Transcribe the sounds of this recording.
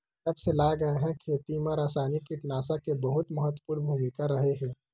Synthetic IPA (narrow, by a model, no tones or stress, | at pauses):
kɐbselaːɡɐeɦɛ̃kʰeːt̪imãɾaːsaːnikːiʈnaːsakebɐɦʊt̪məɦət̪wəpuɾbʱuːmikaɾɐɦeɦɛ̃ː